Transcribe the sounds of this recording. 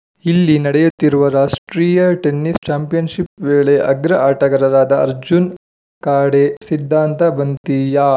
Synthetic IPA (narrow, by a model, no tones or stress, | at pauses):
ilːinɐɽɛjut̪ːiɾuʋɐɾaːʂʈɾiːjɐʈenːist͡ʃaːmpijɐnʃipʋeːɭeʔɐɡɾɐʔaːʈɐɡɐɾɐɾaːd̪ɐɐɾd͡ʒun | kaːɽesid̪ʱːaːnt̪ɐbɐnt̪ija